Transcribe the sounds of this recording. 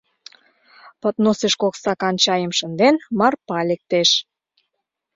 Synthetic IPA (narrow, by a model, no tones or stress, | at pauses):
pət̪noseʃkoksɑkɑnt͡ɕɑjəmʃənd̪enmɑrpɑlek̚t̪eʃ